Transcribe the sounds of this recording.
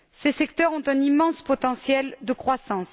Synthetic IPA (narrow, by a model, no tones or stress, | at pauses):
sesɛkt̪œʁɔ̃t̪ɛ̃nimɑ̃spɔt̪ɑ̃sjɛld̪əkχwasɑ̃s